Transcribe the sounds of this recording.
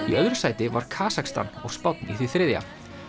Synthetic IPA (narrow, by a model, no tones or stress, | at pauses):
iʔœːɥðɾʏsaːjt̪ɪvaɾ̥kʰaːsakst̪a̰nɔɣ̥spɔt̪̚nḭθiθɾɪːðja̰